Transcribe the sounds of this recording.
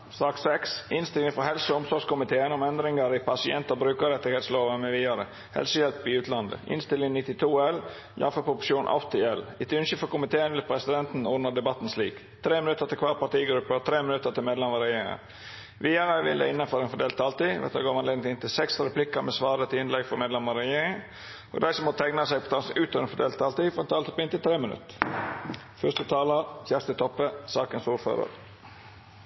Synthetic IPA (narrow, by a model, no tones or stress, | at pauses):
sɑːksɛksɪnst̪ɪlɪŋfɔɦɛlsəɔmsɔːskʊmɪt̪ʰeːənɔmɛnd̪ɾɪŋəɾɪpʰɑsɪɛ̰nt̪obɾʉːkəɾɛt̪ːɪɡheːt̪sloːʋənmɛʋiːɑɾə | hɛ̰lsəjɛlpːiʉːt̪ʰlɑnd̪ə̰ɪ̰nst̪ɪlɪŋnɪt̪ːɪt̪ʰuːɛl | jɑ̰ːfəpʰɾʊpʊʂuːnʔɑ̰ft̪ɪɛlɪt̪ɪʉnʃəfɔkʊmɪt̪ʰeːənʋɪlpʰɾɛsɪd̪ɛnt̪n̩ɔnəd̪ɛbɑt̪n̩sliːk | t̪ʰɾeːmɪnʉt̪əɾt̪ʰɪlkʰʋɑːɾpɑʈ̪iːɡɾʉpːət̪ʰɾeːmɪnʉt̪əʈ̪ʰɪlmeːd̪lɛməɾɛjeːɾɪŋə̰n | ʋɪɑɾæʋɪ̰ld̪ə̰ɪnːənfɔɾɛnfɔɖd̪eːlt̪ʰɑlt̪iʋɛ̰t̪ɑɡoːʋɑnleːd̪ɪŋt̪ɪnt̪ʰɪlsɛksɾɛpʰlɪkːəɾmɛsʋɑːɾət̪ʰɪlɪnlɛɡfɔɾmeːd̪lɛmɑɾɛjeːɾɪŋə | ʔɔ̰d̪æɪsɔmɔt̪ʰæɪŋnɑsɛɪɡpʰɔt̪ʰɑːnsʔʉːt̪ʰøɛnfɔd̪eːlt̪ʰːɑlt̪iːfɔɾɛnt̪ʰɑːlt̪ɔpɪnt̪ɪlt̪ʰɾeːmənʉ̰t̪ː | fœst̪ət̪ʰɑːləɾçæːʁst̪ət̪ʰɔpəsɑːkənsuːɾfø̰ːɾə̰ɾ